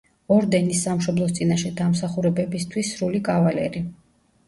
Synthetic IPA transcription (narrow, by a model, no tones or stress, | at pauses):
ɔɾd̪ɛnisːamʃɔblˠɔst̪sʼinaʃɛd̪amsaχuɾɛbɛbist̪ʰwisːɾulikʼavalɛɾi